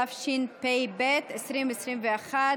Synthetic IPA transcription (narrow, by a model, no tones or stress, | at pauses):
afʃinpejbɛt̪esɾimɛsɾimvɛaχa